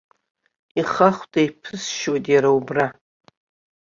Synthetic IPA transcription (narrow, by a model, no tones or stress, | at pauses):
iχaχʷtʼajpʰɨsʃwatʼjaɾaubra